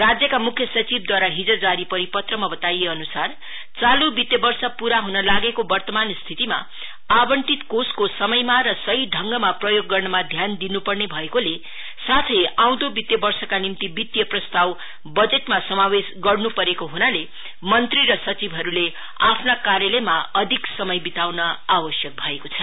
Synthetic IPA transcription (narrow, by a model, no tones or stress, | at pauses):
rad͡zjʌkamukʰjʌsʌt͡sib̚d̪waɾaɦid͡zʌd͡zaɾipʌɾipʌt̪rʌmabʌt̪ajeʌnusar | t͡salubit̪jʌbʌrsʌpuɾaɦunʌlaɡekobʌrt̪ʌmanst̪ʰit̪ima̰ | abʌɳʈit̪koskosʌmʌjmaɾʌsʌɦiɖʱʌŋɡʌmaprʌjoɡːʌrnʌmad̪ʱjand̪inupʌrnebʱʌekole | sat̪ʰʌjaw̃d̪obit̪jʌbʌrsʌkanimt̪ibit̪jʌprʌst̪aw | bʌd͡zeʈmasʌmawesɡʌrnupʌɾekoɦunale | mʌnt̪riɾʌsʌt͡sibʱɦʌɾule | apʰnakaɾjelʌjmaʌd̪ʱiksʌmʌjbit̪awnʌabʌsjʌk̚bʱʌekot͡sʰʌ